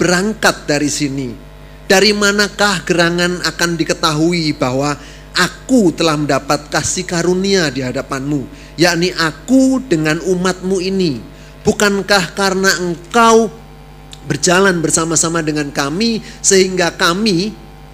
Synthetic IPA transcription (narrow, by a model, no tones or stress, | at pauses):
b̥əɾaŋkat̪̚daɾisini | d̥aɾimanakahɡəɾaŋanakandikət̪aɦuibaɦwa | ʔakut̪əlahməndapat̪̚kasikaɾuniadiɦadapanmu | jaʔniʔakudəŋanumat̪̚muini | b̥ukankahkarnaəŋkaw | bərd͡ʒalanbərsamasamadəŋankamisəɦiŋɡakami